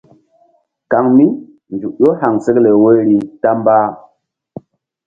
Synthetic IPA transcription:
ka˨ŋmi˦ | nd͡ʒu˨ɗo˦ha˨ŋse˦kle˨we˦ɾi˨ta˦mba˦

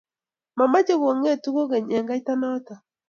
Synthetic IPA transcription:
ma˨ma˦d͡ʒe˦ɡo˨ŋe˦˨tu˦ko˦ɡe˨ɲɛ˨ŋɡa˦i˦ta˦nɔ˦ta˨

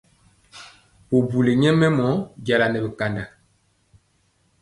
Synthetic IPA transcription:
po˨bu˨le˨ɲɛ˦mɛ˦mɔ˨˦ɟa˨la˨nɛ˨bə˨ka˨nda˨

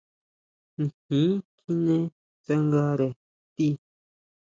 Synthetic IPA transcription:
ŋ̩˨hĩ˨˦ki˦nẽ˦ | t͡sa˧ŋɡa˧ɾe˨ | t̪i˦

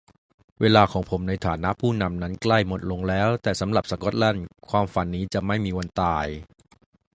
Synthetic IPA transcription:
weː˧laː˧kʰɔː˩˦ŋpʰo˩˦mna˧jt̪ʰaː˩˦na˦˥ʔpʰuː˥˩na˧mna˦˥nkla˥˩jmo˨˩t̪̚lo˧ŋlɛː˦˥wt̪ɛː˨˩sa˩˦mɾa˨˩p̚sa˧kɔ˦˥t̪̚la˥˩nkʰwaː˧mfa˨˦nːiː˦˥t͡ɕa˨˩ʔma˥˩jmiː˧wa˧nt̪aː˧j

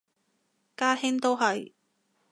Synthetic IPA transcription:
kaː˥hɪ˥ŋt̪o˥wɦɐ˨j

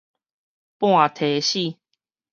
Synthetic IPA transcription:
pw̃ã˥˨t̪ʰe˨˦ɕi˥˧˨

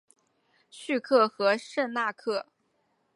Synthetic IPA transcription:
ɕy˥˧kʰɤ˥˩xɤ˧˥ʂə˥˧na˥˧kʰɤ˥˩

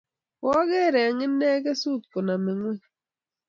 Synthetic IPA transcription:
wɔ˦ɡe˦˨ɾɛ˨a˨ŋɪ˦nːɛ˦ɡe˦su˦˨t̪̚ko˨na˨mɪ˨ŋwɛ˦

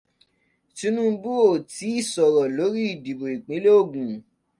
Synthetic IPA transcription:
tĩ˦nũ˦bu˦o˦˨ti˨˦i˦˨sɔ˨ɾɔ˨lo˨˦ɾi˦i˦˨di˨bo˨i˨k͡pĩ˨˦le˦o˦˨ɡũ˨

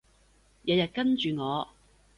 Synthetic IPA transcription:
jɐ˨˥jɐ˨t̚kɐ˥nt͡ʃyː˨ŋɔː˨˧

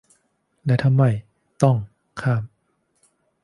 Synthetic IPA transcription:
lɛː˧˥t̪ʰa˧mːa˧˩j | t̪ɔ˥˩ŋ | kʰaː˥˩m

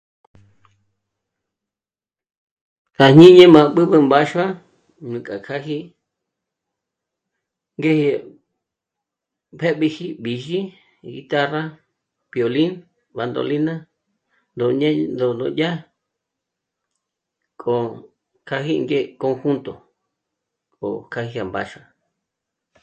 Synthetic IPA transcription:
ha˨hɲ̥ĩ˦ɲẽ˦mã˧ɓɨ˦βɨ˦˧mba˦ʃwa˦ | ɲũ˨kʼa˨kʰa˦ɦi˦ | ŋɡe˦hi˧ | pʰe˦ɓi˧hi˦ɓi˨ʒi˦ | ɣi˧t̪a˦ra˦ | pjo˨li˦n | βa˧nd̪o̰˧li˦nã˦ | nd̪o˨ɲẽ˦nd̪o˧nd̪õ̰˧jʲa˦ | kʼo˨ | kʰa˧ɦi˧ŋɡe˦ko˧ŋxu˦nt̪o˨ | kʼo̰˨kʰa˧hi˧ha˨mba̰˧ʃa˧

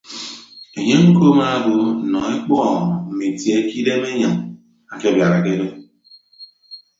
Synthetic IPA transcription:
e˨ɲe˦ŋ̩˦ko˦ma˦bo˨˦˨nɔ˨e˦k͡pɔ˦˨m˨m̩˨me˨tje˦ki˦de˦me˦ɲa˨ŋ | a˨ke˦bja˨ɾa˨ke˦do˦

